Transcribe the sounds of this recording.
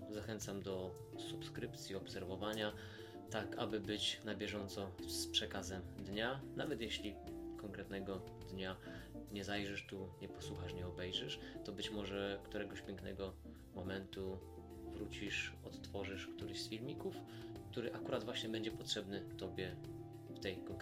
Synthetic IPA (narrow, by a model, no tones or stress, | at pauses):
zaxɛnt̪samd̪ɔ | supskɾɘpt̪sʲjiɔpsɛɾvɔvaɲa | t̪aka̰bɘbɘt͡ɕnabʲjɛʐɔnt̪sɔspʂɛkazɛmd̪ɲanavɛt̪jeɕlʲikɔŋkɾɛt̪nɛɡɔ | d̪ɲaɲɛzajʐɛʂt̪uɲɛpɔ̥swuxaʂɲɛɔbɛjʐɛʂ | t̪ɔbɘt͡ɕmɔʐɛkt̪uɾɛɡɔɕpʲjɛŋknɛ̰ɡɔ | mɔmɛnt̪u | vɾut͡ɕiʂɔt̪t̪fɔʐɘʂkt̪uɾɘɕsfʲilmʲikuf | kt̪uɾɘʔakuɾad̪vwaɕɲɛbɛɲd͡ʑɛpɔtʂɛbnɘt̪ɔbʲjɛ | ft̪ɛjkɔŋk